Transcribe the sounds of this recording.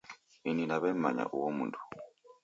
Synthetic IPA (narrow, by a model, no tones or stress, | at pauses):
ininaβemmaɲa̰ʔuwomuntʰu̥